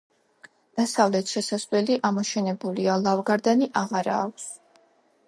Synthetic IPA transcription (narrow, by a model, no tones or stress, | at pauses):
d̪̥asavlɛt̪ʰʃɛsaslɛliʔamɔʃɛnɛbulialˠavɡaɾd̪aniʔaʁaɾa̰ːkʷʰs